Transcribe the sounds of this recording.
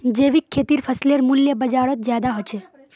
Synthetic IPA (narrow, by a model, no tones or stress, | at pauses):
d͡ʒeːʋikʰːeːt̪iɾfəsleɾmuljəbəd͡ʒaɽot̪̚zjad̪aɦot͡ʃʰe